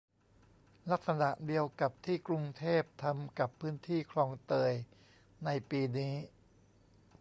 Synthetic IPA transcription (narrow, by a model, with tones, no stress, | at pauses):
la˦˥sa˧na˨˩ʔdi˧əwka˨˩p̚t̪ʰiː˥˩kɾu˧ŋt̪ʰeː˥˩p̚t̪ʰa˧mka˨˩pʰːɯː˦˥nt̪ʰiː˥˩kʰlɔː˧ŋt̪ɤː˧j | na˧jpiː˧niː˦˥